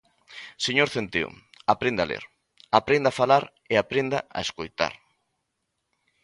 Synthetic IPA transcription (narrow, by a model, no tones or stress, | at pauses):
seɲoɾθent̪ḛo̰ | apɾend̪alḛɾ | apɾend̪afalaɾ | eapɾend̪aa̰eskojt̪a̰ɾ